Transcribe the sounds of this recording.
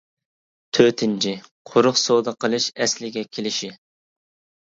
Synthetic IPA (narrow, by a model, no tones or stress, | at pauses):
t̪ʰøt̪ʰɪnt͡ʃʰiqʰoɾʊχsod̪ɑqʰəlˠɨʃɛslɪɡʲɛkʲʰelɪʃi